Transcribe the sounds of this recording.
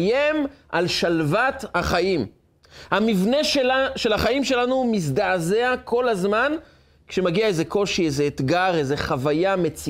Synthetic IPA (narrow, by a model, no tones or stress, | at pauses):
jemalʃalvat̪haχajim | hamivne̞ʃe̞laχaimʃe̞lanumis̬d̪aːzeakʰo̞lazman | kʃemaɡiaezeko̞ʃiezeːt̪ɡaʁezeχavajamet͡si